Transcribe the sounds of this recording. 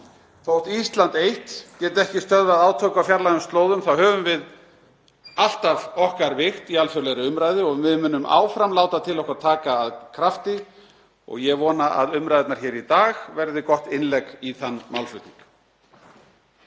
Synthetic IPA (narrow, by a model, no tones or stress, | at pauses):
θowht̪ist̪lant̪ejht̪c̪ɛt̪ɛhcɪst̪œðvaðaːwt̪ʰoːwkawfjaɾlajʏmst̪loːwðʏmθawɦœːvʏmvɪð | al̥t̪avɔhkaɾvɪxt̪ialfœɾleɣɾʏʏmɾaːjðɪɔɣmɪðmʏnːʏmʔa̰ːwfɾamlaːwt̪at̪ʰɪlɔhkɾat̪ʰaːkaːðkʰɾaft̪ɪ | ɔ̰ɣjɛɣvɔːnaʔa̰ðʏmɾajðɪt̪naɾ̥çɛːɾit̪aːɣvɛɾðɪkɔht̪ɪnlɛkiθanːmawlfʏt̪niŋk